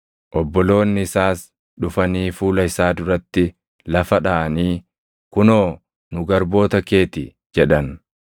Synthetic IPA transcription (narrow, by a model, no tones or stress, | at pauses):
ʔɔbːɔlo̞ːnːɪɪsaːs | ᶑʊfɐniːfuːlɐɪsaːd̪ʊɾɐt̪ːɪ | lɐfɐᶑaʔɐniː | kʊnoː | nʊɡɐɾbo̞ːt̪ɐke̞ːt̪ɪ | d͡ʒɛᶑɐn